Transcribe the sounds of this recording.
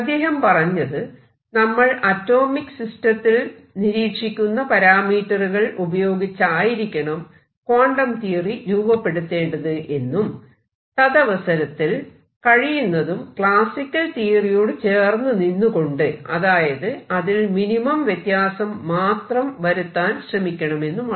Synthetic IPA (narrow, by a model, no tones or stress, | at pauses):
ɐd̪ːe̞ːɦɐmpɐrɐɲːɐðɨ | nɐmːɐɭɐtːo̞ːmikːsistɐt̪ːil | niɾiːkʂikʲːunːɐpɐɾaːmiːʈːɐruɣɐɭubɐjo̞ːɡit͡ɕːaːjiɾikʲːɐɳɐm | koːɳɖɐmt̪iːriɾuːbɐpːe̞ɽut̪ːe̞ːɳɖɐðɨʔe̞nːum | t̪ɐðɐʋɐsɐɾɐt̪ːil | kɐɻijunːɐðumkɭaːsikʲːɐlt̪iːrijo̞ːɽɨt͡ɕe̞ːrnːɨninːuko̞ɳɖɨɐðaːjɐðɨɐðilminimɐmʋjet̪jaːsɐmːaːt̪rɐmʋɐɾut̪ːaːnɕrɐmikʲːɐɳɐme̞nːum